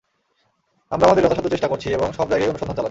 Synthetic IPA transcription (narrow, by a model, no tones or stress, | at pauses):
amɾaamad̪eɾɔt̪aʃɔt̪ːoɾt͡ɕeʃʈakoɾt͡ɕʰieboŋʃɔbd͡ʑajɡejonuʃod̪ʱant͡ɕala